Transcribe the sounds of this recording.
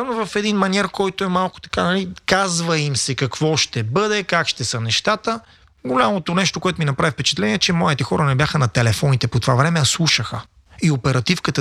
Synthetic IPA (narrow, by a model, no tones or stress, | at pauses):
novɐfɛd̪inmɐnʲɛɾkɔjt̪oɛmalˠko̥t̪ɐ̥kanɐlikazvəimsɛkɐkvɔʃt̪ɛbɤd̪ɛkakʃt̪ɛsənɛʃt̪at̪ə | ɡolʲamot̪onɛʃt̪okoɛt̪oʊminɐpɾavifpɛt͡ʃɐt̪lɛniɛt͡ʃɛmɔit̪ɛxɔɾənɛbʲjaxənɐt̪ɛlɛfɔnit̪ɛpot̪ovavɾɛmɛɐslˠuʃəxə̰ | iopɛɾɐt̪ifkət̪ə